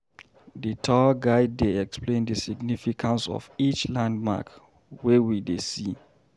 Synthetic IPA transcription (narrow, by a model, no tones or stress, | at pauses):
ditʰɔɡaɪddeɛksplẽndəsiɡnifikʰãnsɔ̰vit͡ʃlãndma̰k | wɛwidesi